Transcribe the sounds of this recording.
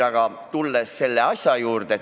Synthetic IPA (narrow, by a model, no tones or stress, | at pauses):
ɑɡ̥ɑ | t̪ulːesse̞lːeɑsʲjɑjuːrd̪̥e